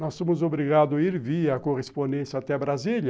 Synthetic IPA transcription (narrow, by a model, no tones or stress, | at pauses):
nɔsːõmʊzobɾiɡad̪ʊaiɾviɐːkoʁespõd̪ẽnsat̪ɛbɾazilɐ